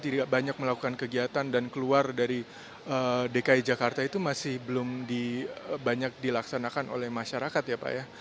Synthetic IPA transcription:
t̪idaʔbaɲak̚məlakukankəɡiɦat̪andankəluardaɾi | ədekaid͡ʒakart̪ait̪umasɪhbəlʊmdiəbaɲak̚dilaksanakanʔo̰lɛhmaʃaɾakat̪japa̰ja

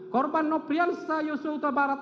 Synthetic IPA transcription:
kɔrbanːɔpɾialsajɔsowt̪abaɾat̪

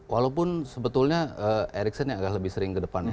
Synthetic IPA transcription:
walawpʊnsəbət̪ʊlɲaəeɾɪksənjaŋaɡahləbɪhsəɾɪŋkədəpan

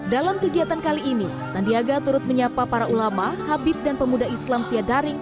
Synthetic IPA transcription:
dalamkəɡiat̪ankaliːni | sandiaɡat̪uɾʊt̪̚məɲapapaɾaulamahabɪp̚danpəmudaislamfiadaɾɪŋ

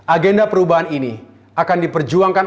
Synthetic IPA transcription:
ʔaɡɛndapəɾubaɦanini | akandipərd͡ʒuaŋkan

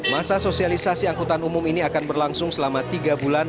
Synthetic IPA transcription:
masasosialisasiaŋkut̪anumʊminiakanbərlaŋsʊŋsəlamat̪iɡabulan

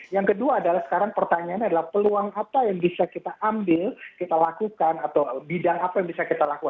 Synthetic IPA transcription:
jaŋkəduaːdalahsə̥kaɾaŋpərt̪aɲaanadalahpəluaŋapajaŋbisakit̪aʔambɪlkit̪alakukanat̪awbidaŋapajaŋbisakit̪alakukan

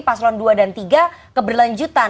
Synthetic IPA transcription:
paslɔnduadant̪iɡakəbərlaɲd͡ʒut̪a

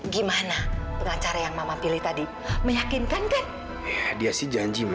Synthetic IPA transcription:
ɡimanapəŋat͡ʃaɾajaŋmamampilɪht̪adi | məjakɪnkankan | adiasɪhd͡ʒaɲd͡ʒim

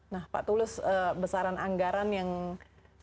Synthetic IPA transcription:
nahpa̰ʔt̪ulɪsəːbəsaɾanʔaŋɡaɾanjaŋ

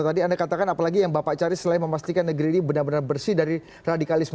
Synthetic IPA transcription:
t̪adiandakat̪akanapalaɡijaŋbapaʔt͡ʃaɾɪsəlaɪnməmast̪ikanːəɡəɾiːnibənarbənarbərsidaɾi | radikalɪsm

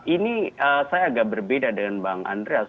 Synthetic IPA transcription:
ʔiniəsajaːɡaʔbərbedadəŋanbaaŋʔa̰ndɾea

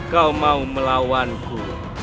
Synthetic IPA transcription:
kawmauməlawanku

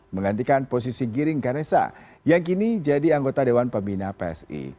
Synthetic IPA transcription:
məŋant̪ikanpos̬isiɡiɾɪŋkaɾesa̰ | jaŋk̬inid͡ʒadiaŋɡot̪adewanpəmbinapeɛ̰sḭ

